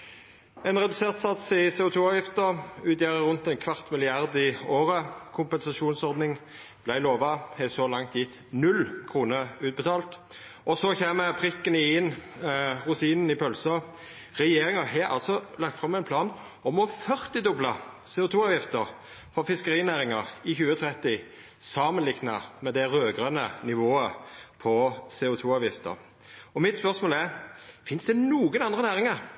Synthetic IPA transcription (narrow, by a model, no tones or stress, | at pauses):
ɛnʁɛd̪ʉseːʁt̪sɑt̪sɪsɛːʊt̪ʰuːɑːʋjɪft̪əʁʉːt̪jæʁəʁʉnt̪ɛɪnkʰʋɑʁt̪mɪlɪɑʁd̪ɪoːʁəkʰʊmpɛnsɑʃuːnsɔʁd̪nɪŋ | b̥læɪloːʋɑhɛsɔlɑŋt̪jɪt̪ː | nʉlkʰʁuːnəʁʉːt̪̚bət̪ʰɑːlt̪ | ɔsɔçeːməpʰʁɪkːənəɪɪn | ʁʊt̪ʰiːnən̩ɪpʰœlsə | ʁɛjeːɾɪŋəɦɛːɾɑ̰lsɔlɑɡ̚t̪fʁɑmːæɪnpʰlɑːn | ɔmɔfœʁt̪ɪd̪ʊblɑ | seːʊt̪ʰuːɑːʋjɪft̪əɾ | fɔʁfɪskəɾiːnæːɾɪŋɑʁɪçʉːət̪ʰʁɛt̪ɪ | sɑːmənlɪknɑmɛd̪ɛʁøːɡʁənənɪʋoːəpʰɔseːʊt̪ʰuːɑːʋjɪft̪ə̰ɾ | ɔmɪt̪spœʁsmoːlæʁfɪnsd̪ɛnuːɡənɑnd̪ʁənæːʁɪŋəʁ